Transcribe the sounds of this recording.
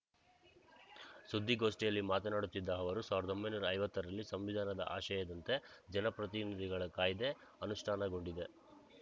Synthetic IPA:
sud̪ʱːiɡo̞ːʂʈijɐlːimaːt̪ɐnaːɽut̪ːid̪ːɐɐʋɐɾusaːʋiɾɐd̪o̞mbɐjnuːɾɐːjʋɐt̪ːɐɾɐlːisɐmʋid̪ʱaːnɐd̪ɐ̰ʔa̰ːʃɐjɐːd̪ɐnt̪e̞d͡ʒɛnɐpɾɐt̪̬inid̪ʱiɡɐɭɐkaːjid̪e̞ | ɐnuʂʈʰaːnɐɡo̞ɳɖid̪e̞

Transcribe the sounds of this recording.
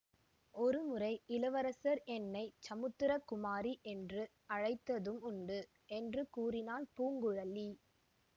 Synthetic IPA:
ʔɔɾɯmɯrɐɪɪlɐʋɐɾɐsɐɾɛnːɐɪt͡ʃɐmɯt̪ːɯɾɐkʊmaːɾiʔɛndrɯ | ɐɻɐɪt̪ːɐðɯmʊɳɖɯ | ʔɛndrɯkuːrɪnaːlpuːŋɡɯɻɐlːi

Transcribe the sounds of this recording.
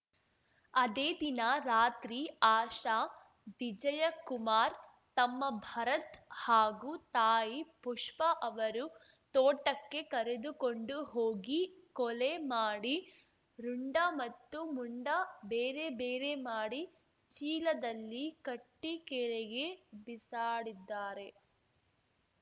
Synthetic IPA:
ɐd̪eːd̪inɐɾaːt̪ɾiaːʃaː | d̪id͡ʒɐjɐkumaːɾ | t̪ɐmːɐbʱɐɾɐt̪haːɡut̪aːjipuʂpɐʔɐʋɐɾu | t̪oːʈɐkːe̞kɐɾed̪ukoɳɖuɦoːɡikɔlemaːɽi | ɾuɳɖɐmɐt̪ːumuɳɖɐbeːɾe̞beːɾe̞maːɽi | t͡ʃiːlɐd̪ɐlːikɐʈːikɛɾeɡe̞bisaːɽid̪ːaːɾe̞

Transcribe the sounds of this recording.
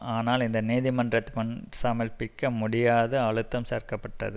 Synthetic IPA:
aːnaːlɪnd̪ɐniːðɪmɐndrɐt̪ːmɐnsaːmɐlpɪkːɐmʊɽɪjaːðɐɐɻɯt̪ːɐmseːɾkɐpːɐʈːɐ̰ðɯ

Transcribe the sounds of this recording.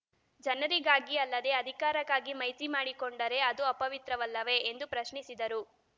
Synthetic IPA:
d͡ʒɐnɐɾiɡaːɡiɐlːɐd̪e̞ɐd̪ʱikaːɾɐkaːɡimɐjt̪imaːɽikoɳɖɐɾe̞ɐd̪uɐpːɐʋit̪ɾɐʋɐlːɐʋe̞ːnd̪upɾɐʃɳisid̪ɐɾu

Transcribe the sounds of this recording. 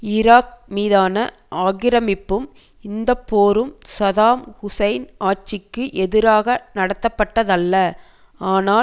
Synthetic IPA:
ɪɾaːk̚miːðaːnɐ | ʔaːɣɪɾɐmɪpːɯm | ɪnd̪ɐpːoːɾɯmsɐðaːmhʊsɐɪnaːt͡ʃɪkːɯʔɛðɪɾaːɣɐnɐɽɐt̪ːɐpːɐʈːɐðɐlːɐ | aːnaː

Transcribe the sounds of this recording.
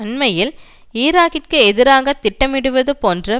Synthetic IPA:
ɐnmɐjɪl | iːɾaːɣɪrkɯɛðɪɾaːɣɐt̪ɪʈːɐmɪɽɯʋɐðɯpoːndrɐ

